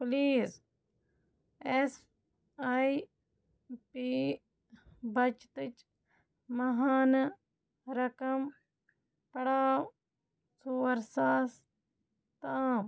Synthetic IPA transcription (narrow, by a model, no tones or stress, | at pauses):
pliːz | es | ai | piː | bɐt͡ʃt̪ɨt͡ʃ | mɐɦaːn | ɾɐkɐm | pɐɽaːw | suːɐɾsaːs | t̪aːm